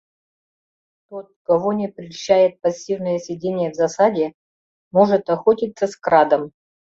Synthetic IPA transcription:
t̪o̞t̪̚kɐvonʲɪpɾʲɪɕːajɪt̪̚pɐsʲːivnəjəsʲɪdʲenʲɪjəvzɐsadʲɪ | mo̞ʐɨt̪ɐxotʲit̪səskɾad̪əm

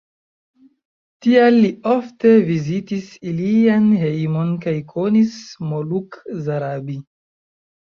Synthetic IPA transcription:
tialːio̞ftevizitisilianhe̞jmo̞nkajkʰo̞nismolukzaɾabi

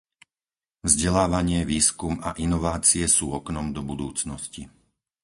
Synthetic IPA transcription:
vzɟɛlaːʋaɲɪɛʋiːskumaʔinɔʋaːt͡siɛsuːɔknɔmd̪ɔbud̪uːt͡snɔsci

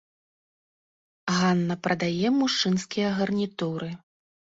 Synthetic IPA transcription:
ɣanːɐpɾɐd̪ajɛmuʂt͡ʂɨnskʲijɐɣɐrnʲit̪uɾɨ

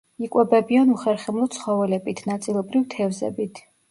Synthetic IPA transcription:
ikʼwɛbɛbianuχɛɾχɛmlˠɔsʰχɔvɛlɛbit̪ʰnat̪sʼilˠɔbɾivt̪ʰɛvzɛ̰bit̪ʰ

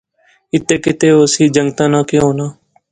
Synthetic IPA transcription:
ɪt̪eːkɪt̪eːoːsiːd͡ʒəŋɡt̪ãːnãːkjõːnãː

